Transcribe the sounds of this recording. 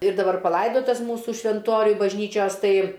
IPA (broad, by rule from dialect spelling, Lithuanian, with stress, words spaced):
ɪr dɐˈbɐr pɐˈlˠɐɪdoːtɐs ˈmuːsʊ ʃʲʋʲɛnˈtoːrʲʊj bɐʒʲˈnʲiːt͡ʃʲoːs ˈtɐɪ